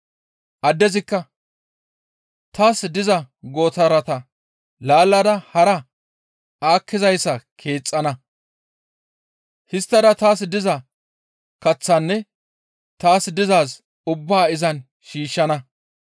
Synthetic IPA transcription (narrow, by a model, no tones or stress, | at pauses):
ʔɐd̪ːɛzɪkːɐ | t̪aːsd̪ɪzɐ | ɡo̞ːt̪ɐɾɐt̪ɐ | laːlːɐd̪ɐhɐɾɐ | aːkʰːɪzɐjsːɐkʰe̞ːt͡sʼːɐnɐ | hɪst̪ːɐd̪ɐt̪aːsd̪ɪzɐ | kɐt͡sːɐnːɛ | t̪aːsd̪ɪzaːs | ʊbːaːɪzɐn | ʃiːʃːɐnɐ